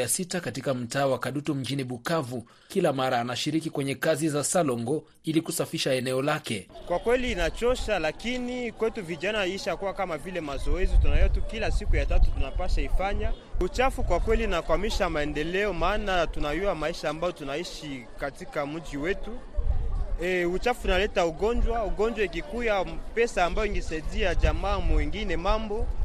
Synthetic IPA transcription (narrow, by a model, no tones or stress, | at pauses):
asitakatikam̩taːwakaɗutum̩d͡ʒiniɓukavu | kilamaɾaːnaʃiɾikikwɛɲɛkazizasalɔŋɡɔ | ilikusafiʃaɛnɛɔlakɛkwakwɛliːnat͡ʃɔʃalakinikwɛtuviʄanaiʃakuwakamavilɛmazɔɛzitunajɔatukilasikujatatutunapaʃaifaɲa | ut͡ʃafukwakwɛlinakwamiʃamaɛndɛlɛɔmaːnatunajuamaiʃaːmbajɔtunaiʃikatikam̩d͡ʒiwɛtu | ɛut͡ʃafunalɛtauɡɔnd͡ʒwauɡɔnd͡ʒwaikikujapɛsaːmbajɔiŋɡɛsaidiaʄamaːmwiŋɡinɛmambɔ